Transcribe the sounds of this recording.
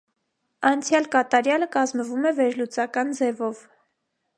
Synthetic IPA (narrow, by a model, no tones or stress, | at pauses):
ɑnt͡sʰjɑlkɑt̪ɑɾjɑləkɑzməvumɛvɛɾlut͡sɑkɑnd͡zɛvɔv